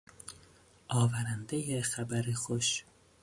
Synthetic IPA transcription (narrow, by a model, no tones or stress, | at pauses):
ʔɒːvæɾænd̪ejexæbæɾexoʃ